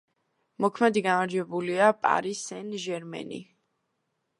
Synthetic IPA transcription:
mɔkʰmɛd̪iɡamaɾd͡ʒwɛbuliapʼa̰ɾisɛnʒɛɾmɛ̰nḭ

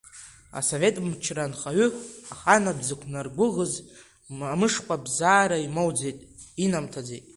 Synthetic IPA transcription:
a̰so̞ve̞tʼmt͡ʃʰranχaɥʏaχanabzɨkʷʰnarɡʷʊʁəz | amɨʂqʷʰʼabzaːɾaimo̞wd͡zejtʼinamtʰad͡zḛjtʼ

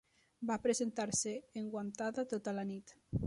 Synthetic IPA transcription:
bapɾezent̪aɾseːŋɡwant̪aðat̪ot̪alanit̪

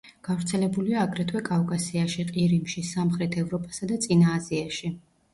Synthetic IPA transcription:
ɡ̥avɾt̪sʰɛlɛbuliaːɡɾɛt̪ʰwɛkʼavkʼasiaʃiqʼiɾimʃisamχɾɛt̪ʰɛvɾɔpʼasad̪at̪sʼinaːziaʃi

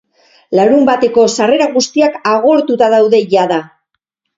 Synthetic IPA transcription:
laɾumbat̪e̞ko̞sare̞ɾaɣust̪iakaɣ̞o̞ɾt̪ut̪að̞awðe̞ʝaða

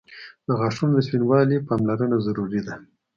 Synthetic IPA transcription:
d̪̥əɣaʂund̪əspinwɑlipɑmlaɾənazaɾuɾid̪a

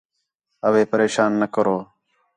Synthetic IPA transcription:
əʋeːpəɾeːʃaːnːəkəɾoː

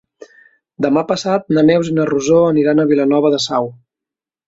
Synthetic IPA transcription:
d̪əmapəsat̪̚nəmɛwzinəruzoəniɾanəβ̞ilənɔβəðəsaw

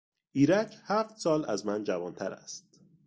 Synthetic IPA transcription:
iːɾæcʰhæft̪sɒːlæzmænd͡ʒævɒːnt̪ʰæɾæ̰st̪̚

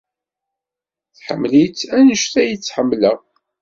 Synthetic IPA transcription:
θħəmːlit͡sænəʃθæjət͡sːħəmːləʁ

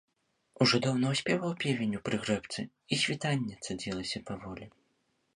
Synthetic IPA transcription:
uʐɔd̪ɔwnɐwsʲpʲɛvɐwpʲevʲenʲupɾɨɣɾɛpt̪sɨ | isʲvʲit̪anʲːɛt̪sad͡zʲilˠɐsʲɐpavɔlʲi

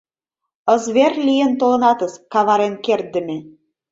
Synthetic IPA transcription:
əzβerlijə̆nt̪olɤ̆nɑt̪ə̆skɑβɑɾenkert̪̚ːə̆me

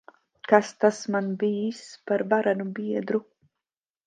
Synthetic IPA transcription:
kast̪asmanbiːspaɾbaɾanubiɛd̪ɾu

